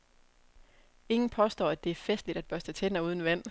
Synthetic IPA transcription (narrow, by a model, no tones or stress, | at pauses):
e̝ŋn̩pʰɒ̽sd̥ɒ̰ːæd̥e̝æɐfesd̥lid̥æd̚b̥ɶɐsd̥ʰæt͡sʰenɐuð̞ˠn̩ʋæn̰